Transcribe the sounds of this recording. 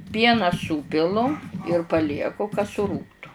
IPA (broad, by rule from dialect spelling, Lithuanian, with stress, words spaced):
ˈpʲiɛnɑː ˈsuːpʲɪlˠʊ ɪr pɐˈlʲiɛkʊ kɐ sʊˈruːktʊ